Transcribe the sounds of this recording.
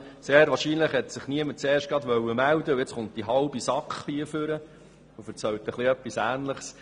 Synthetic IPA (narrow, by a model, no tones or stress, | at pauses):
seːɾʋɑːɾʃiːnləχhɛt̪sɪχniəməɾt͡seːrʃt̚ɡɑd̪ʋœwːəmæld̪əuet͡sχʊnt̚d̥iɦɑlbisɑkχhiəfʏɾə | ufəɾt͡sɛwt̪əχliœpːisæːnləχs